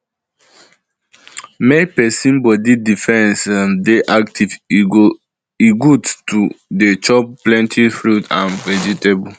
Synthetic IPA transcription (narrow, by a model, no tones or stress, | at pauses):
mepɛsĩnbɔdidifɛ̃nsamdeʔaktʰiv | iɡudtudet͡ʃɔp̚plɛ̃ntʰifɹutã̰nvɛd͡ʒitebu